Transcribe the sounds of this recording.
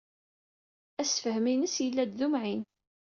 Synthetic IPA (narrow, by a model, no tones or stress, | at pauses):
æsfəhminəsjəlːæd̪ðumʕin